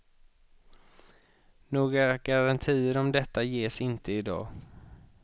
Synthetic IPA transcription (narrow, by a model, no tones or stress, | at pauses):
noːɡɾaɡ̥aɾant̪ʰiːəɾɔmd̪ɛt̪ːajeːsɪnt̪ʰəɪd̪ɑ̰ː